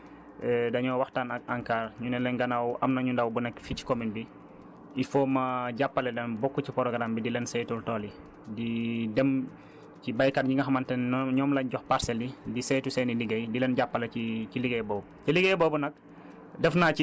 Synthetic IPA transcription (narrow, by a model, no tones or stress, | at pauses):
ɛdɐɲɔwaxtaːnɐaŋkaːrɲunɛlɛŋɡɐnawʔɐmnɐɲundawbunɐkfici̥kɔminbi | ifɔːmɐɟapːɐlɛlɛnbɔkːucipɔɾɔɡɾambidilɛnsɛjtultɔːli | didɛm | cibajkatɲiŋɡɐxɐmɐntɛɲɔːmlɐɲɟɔxpaɾsɛlidisɛjtusɛniliɡɐjdilɛnɟapːɐlɐiciliɡɛjbɔw | tiliɡɛjbɔːbunɐk̚ | dɛfnaːci